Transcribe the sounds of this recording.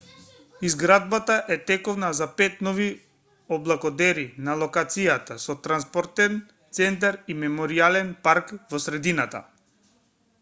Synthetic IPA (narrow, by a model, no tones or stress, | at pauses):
izɡɾad̪̚bat̪aʔɛt̪ɛkɔvnazapɛt̪nɔvi | ɔblˠakɔd̪ɛɾinalˠɔkat̪sijat̪asɔt̪ɾanspɔɾt̪ɛn | t̪sɛnt̪̬aɾimɛmɔɾialɛnpaɾkvɔsɾɛd̪inat̪a̰